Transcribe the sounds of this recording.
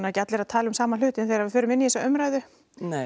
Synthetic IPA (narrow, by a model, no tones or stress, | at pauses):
naɛcːat̪lɪɾaðt̪ʰaːlɪmsaːmanl̥ʏːt̪ɪnθejɾaɾvɪfʏːɾʏmɪnːiɛsɔœmɾaːjðʏ | n